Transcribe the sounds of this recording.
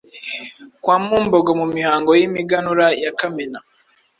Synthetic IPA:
kwaːmuːmboɡomumihaːŋɡojimiɡanuɾajakamena

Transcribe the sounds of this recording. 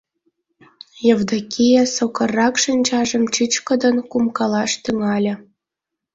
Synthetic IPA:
jɤ̆vd̪ɑkijesokɤ̆rːɑkʃənʲt͡ɕɑʒə̆mt͡ɕit͡ɕkɤ̆d̪ɤ̆nkumkɑlɑʃt̪yŋɑlʲɤ̆

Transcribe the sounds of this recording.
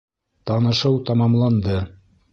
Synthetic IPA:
t̪ɑnɤ̆ʃɤwt̪ɑmɑmlˠɑnd̪ɤ

